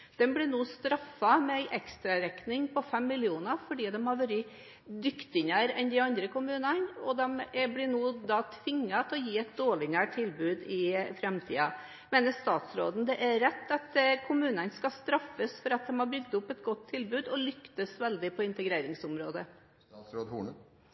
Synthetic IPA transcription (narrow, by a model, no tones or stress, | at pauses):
d̪̥ɛnblɪnuːst̪ɾɑfːɑmɛæɪʔɛkst̪ɾɑɾɛknɪŋpʰɔfɛmːɪljuːnəfɔɖiːd̪ɛmhɑɾʋœɾə | d̪ʏkt̪ɪɲəɾɛnd̪ɪɑnd̪ɾəkʊmʉːnənɔd̪ɛmblɪnuːd̪ɑːt̪ʰʋɪŋːɑt̪ʰɪlɔjiːɛt̪̚d̪oːɭɪnæːʈ̚ʈ̪ʰːɪlbʉːd̪ɪfɾɛmt̪ʰḭːɑ | meːnəʂt̪ɑːt̪sɾoːd̪n̩d̪ɛʔæɾɛt̪ːɑt̪kʰʊmʉːnənskɑst̪ɾɑfːəsfɔɾɑt̪̚d̪ɛmhɑɾbɾʏɡ̚t̪ʊpːɛt̪̚ɡɔt̪ʰːɪlbʉːd̪ɔlʏkt̪əsʋɛld̪ɪpʰɔɪnt̪əɡɾeːɾɪŋsʊmɾoːd̪ə | sɾoːd̪hṵː